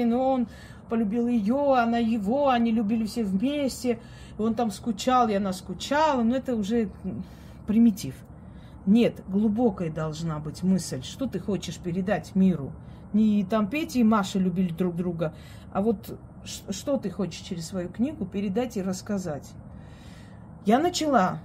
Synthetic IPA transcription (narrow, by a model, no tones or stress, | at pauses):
ɪnon | pəlʲʊbʲilˠjɪjoɐnajɪvo̞ɐnʲilʲʊbʲilʲɪfsʲevmʲesʲtʲɪ | o̞nt̪amskʊt͡ɕalˠɪɐnaskʊt͡ɕalˠənoɛt̪əʊʐɛ | pɾʲɪmʲɪtʲif | nʲe̞t̪ɡlˠʊbo̞kəjəd̪ɐlˠʐnabɨtʲmɨsʲlʲʂt̪o̞t̪ɨxo̞t͡ɕɪʂpʲɪɾʲɪd̪atʲmʲiɾʊ | nʲit̪ampʲetʲɪːmaʂəlʲʉbʲilʲɪd̪ɾuɡ̚d̪ɾuɡə | ɐ̰vo̞t̪ | ʂʂt̪o̞t̪ɨxo̞t͡ɕɪ̥ʂt͡ɕɪɾʲɪssvɐjuknʲiɡʊpʲɪɾʲɪd̪atʲɪrəskɐzatʲ | janət͡ɕɪlˠa